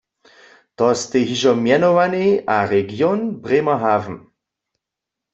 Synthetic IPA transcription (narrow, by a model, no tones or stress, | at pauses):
t̪ɔst̪eɦiʒɔmjɛnoʋaneʔaʁɛɡjonbʁemɐɦavm̩